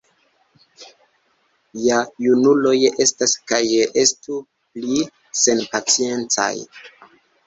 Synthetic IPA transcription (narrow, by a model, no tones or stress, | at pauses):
jajunulo̞je̞staskajʔestu | pli | se̞npat͡sie̞nt͡sa̰j